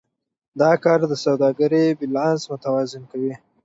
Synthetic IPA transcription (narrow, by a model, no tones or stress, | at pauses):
d̪ɑkɑɾd̪əsawd̪ɑɡaɾibilɑnsmʊt̪awɑzɪnkawi